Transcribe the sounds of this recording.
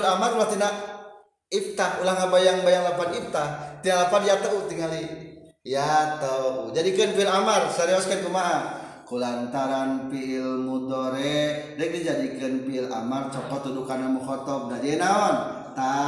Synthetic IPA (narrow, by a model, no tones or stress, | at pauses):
lamarulaht̪inaʔ | it̪aulahŋabajaŋbajaŋlapanip̚t̪at̪inaʔlapanjat̪aʔut̪iŋali | jat̪ad͡ʒadikənpiilamarsaɾiaskank̪umaʔa | kulant̪aɾanpiːlmut̪ɔɾɛdaɛk̚did͡ʒadikənpiːla̰mart͡ʃɔpɔt̪ːudukanamukɔt̪ɔp̚nad͡ʒenaɔn | t̪a